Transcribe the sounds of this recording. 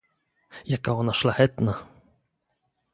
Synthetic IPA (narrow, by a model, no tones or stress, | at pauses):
jakaɔnaʃlʲahɛt̪na